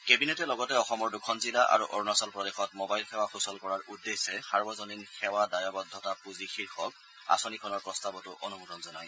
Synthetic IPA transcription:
kebinɛtɛlɔɡɔtɛɔxɔmɔɹdukʰɔnzilaʔa̰ɹuʔɔɹnasɔlpɹɔdexɔtmɔbajlxɛwaxusɔlkɔɹaɹʔudːesɛsaɹbɔzɔninxɛwadajɔbɔd̪ʱːɔtapuzixiɹxɔk̚ | a̰sɔnikʰɔnɔɹpɹɔstabɔtʊʔonumudɔnzɔnaj

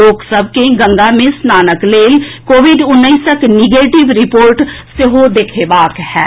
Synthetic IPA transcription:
oːksəb̚keɡə̃ŋɡamẽsnaːnəkleːlkoːʋɪɖʊnːəɪsəknɪɡeːʈɪʋɾɪpoːɾʈ | sɪɦod̪eːkʰeːbaːkhɛ̰ː

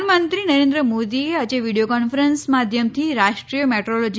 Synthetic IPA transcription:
mənt̪ɾinəɾẽnd̪ɾəmod̪iead͡ʒeʋiɽijokɔnfəɾənsmad̪ʱjəmt̪ʰiɾaʃʈɾijəmeʈɾolod͡ʒ

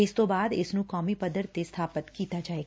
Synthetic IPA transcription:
ɪst̪õbaːd̪ɪsnũkɔːmipəd̪əɾt̪ːest̪ʰaːpət̪kiːt̪ad͡ʒaːeːɡa

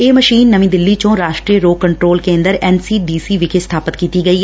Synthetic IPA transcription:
eːməʃiːnːəʋĩːd̪ɪlːiːt͡ʃõːɾaːʃʈɾiːəɾoːkəɳʈɾoːlkẽːnd̪əɾɛːnsiːɖiːsiːʋɪkʰest̪ʰaːpət̪kiːt̪iːɡəiː

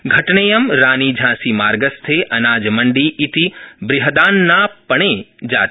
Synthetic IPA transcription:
ɡʱɐʈnejɐmɾaːnid͡ʒʱãːsimaːɾɡəst̪ʰeʔɐnaːd͡ʒmɐɳɖiʔit̪ibɾɪɦɐd̪aːnːaːpɐɳ̃ed͡ʒaːt̪

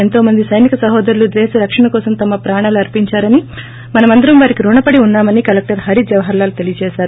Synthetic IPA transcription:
ent̪o̞ːmɐnd̪isɐjnikɐsɐɦɔːd̪ɐɾulud̪eːsɐɾɐkʂɐɳɐkɔːsɐmt̪ɐmɐpɾaːɳaːluɐɾpiɲt͡ʃaːɾɐni | mɐnɐmɐnd̪ɐɾɐmʋaːɾikiɾuːɳɐpɐɽiunːaːmɐnikɐlek̚ʈɐɾɦɐɾid͡ʒɐʋɐɦɐɾlaːlut̪e̞lijɐt͡ʃɛːʃaːɾu

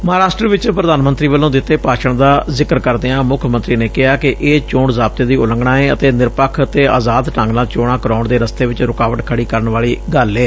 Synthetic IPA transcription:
məɦaːɾaːʃʈɾəʋɪt͡ʃpɾəd̪aːnmənt̪ɾiːʋəlːõːd̪ɪt̪ːeːpaːʃəɳd̪aːzɪkəɾkəɾd̪eːãːmʊkʰmə̃nt̪ɾiːneːkɪaːkɪʔeːt͡ʃõːɳzaːb̚t̪eːd̪iːʊlə̃ŋɡɳãːeːət̪eːnɪɾpəkʰət̪eːa̰ːzaːd̪ʈãːŋɡnaːt͡ʃoːɽãːkəɾaːʊɳd̪eːɾəst̪eːʋɪt͡ʃɾʊkaːʋəʈkʰəɽiːkəɾəɳʋaːliːɡəleː

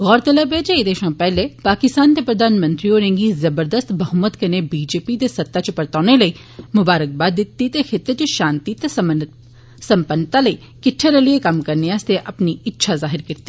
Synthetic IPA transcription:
ɣɔːɾt̪ɐləbʱeːd͡ʒeid̪eːʃãpɛɦlepaːkɪst̪aːnt̪epɾɐd̪ʱaːnmə̃nt̪ɾioːɾẽŋɡizɐbəɾd̪əst̪bɐɦʊmət̪kɐnebiːd͡ʒeːpid̪esɐt̪ːat͡ʃəpɐɾt̪aːnelɐi | mʊbaːɾək̚baːd̪ɪt̪ːit̪exɪt̪ːet͡ʃəʃaːnt̪it̪e | sɐ̃mpənt̪alɐi | kɪʈʰːeɾeliekɐmkɐɾneaːst̪eʔɐpniɪtːʃʰazaːɦɪɾkɪɾt̪e̥

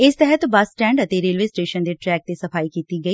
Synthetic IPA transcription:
ɪst̪əɦət̪bəsʈɛ̃ːɳɖət̪eːɾeːlʋeːsʈeːʃənd̪eːʈɾɛːk̚t̪eːsəpʰaːikiːt̪iːɡəiː

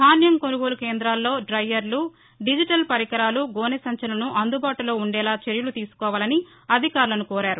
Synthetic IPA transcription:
d̪ʱaːnjɐŋkonuɡoːlukeːnd̪ɾaːlːo̞ːɖɾɐjːɐɾlu | ɖid͡ʒiʈɐlpɐɾikɐɾaːluɡɔːnesɐɲt͡ʃɐlɐnuʔɐnd̪ubaːʈulo̞ːuɳɖɛːlaːt͡ʃeɾjulut̪iːsu̥kɔːʋaːlɐni | ɐd̪ʱikaːɾlɐnukɔːɾaːɾu

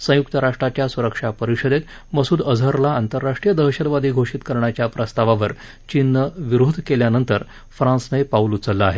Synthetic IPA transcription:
sə̃juk̚t̪əɾaʂʈɾat͡ɕjasuɾəkʂapəɾiɕəd̪et̪ | məsuːd̪əd͡zʱəɾlaːnt̪əɾːaʂʈɾijəd̪əɦɕəd̪ʋad̪ʱiːɡʱoʂit̪kəɾɳat͡ɕjapɾəst̪aʋaʋəɾ | t͡ɕinːəʋiɾod̪ʱkeljanənt̪əɾ | fɾãsnəjpaulut͡səlːəaɦe

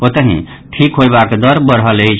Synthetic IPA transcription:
pot̪əɦḭ̃ | ʈʰikɦojbakd̪ʌɾbʌɾɦʌlejt͡ʃʰ

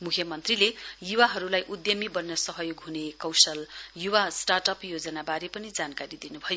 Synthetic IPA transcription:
mukʰjʌmʌnt̪rilejuwaɦʌɾulajʔud̪jʌmibʌnːʌsʌɦʌjoɡɦunekʌwsʌljuwasʈarʈʌpjod͡zʌnabaɾepʌnid͡zankaɾid̪inubʱʌjo

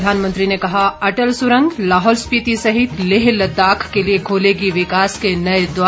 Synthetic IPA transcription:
d̪ʱaːnmə̃nt̪ɾinekɐɦaɐʈəlsʊɾə̃ŋɡlaːɦɔːlspit̪isɐɦɪt̪leɦlɐt̪aːkʰkeliekʰoːleɡiʋɪkaːskenɐed̪ʋa

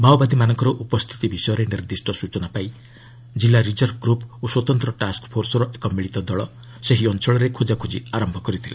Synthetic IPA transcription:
bʱawbad̪imanɔŋkɔɾɔʔupɔst̪ʰi̥t̪ibisɔjɔɾeniɾd̪isʈɔsut͡ʃɔnapai | d͡ʒilːaɾid͡ʒɔɾɡɾuposwɔt̪ɔnt̪ɾɔʈaskpʰoɾsɔɾɔʔekɔmiɭit̪ɔd̪ɔɭɔ | seɦiɔnt͡ʃʰɔɭɔɾekʰod͡ʒakʰud͡ʒiaɾɔmbʱɔkɔɾit̪ʰile

